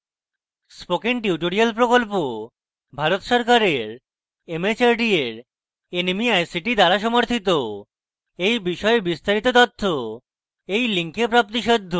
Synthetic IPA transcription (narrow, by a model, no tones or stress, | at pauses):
spokiŋʈiuʈoɾialpɾokolpo | bʱaɾot̪ʃɔɾkaɾeɾ | emet͡ɕaɾɖieɾ | enimiajsiʈid̪aɾaʃɔmoɾt̪ʰit̪o | ejbiʃɔebist̪aɾit̪ot̪ɔt̪ʰːo | ejliŋkepɾap̚t̪iʃod̪ʱːo